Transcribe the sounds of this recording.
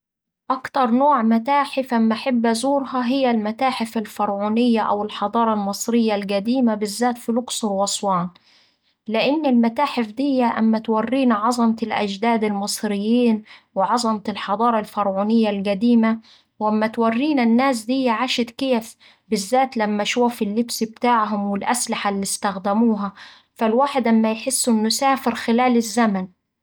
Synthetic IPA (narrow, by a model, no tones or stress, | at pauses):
ʔakt̪ɑɾˤnoːʕmat̪aːħɪfʔamːʔaħɪbːzuːɾhɑɦɪjːalmat̪aːħɪfalfɑɾˤʕuːnɪjːaʔawɪlħɑd̪ˤɑːɾˤɑlmɑsˤɾɪjːalɡæd̪iːmabɪzːaːt̪filʊksʊɾwɑsˤwɑːn | lɪʔɪnːɪlmat̪aːħɪfd̪ɪjːaʔamːat̪warːiːnʕɑzˤɑmɑlʔa̰d͡ʒd̪aːd̪ɪlmɨsˤɾɪjːiːnwɪʕɑzˤɑmat̪ɪlħɑd̪ˤɑːɾˤɑlfɑɾˤʕuːnɪjːalɡad̪iːma | wʔamːat̪warːiːnanːaːs̬d̪ɪjːaʕaːʃɪd̪kɪːf | bɪzːaːt̪lamːaʃuːfɪlːɪbsb̚t̪aːʕɦʊmwɪlʔaslɪħalːist̪axd̪ɪmuːɦa | falwaːħɪd̪ʔamːajħɪsːɪnːʊsaːfɪɾxɪlaːlɪzːaman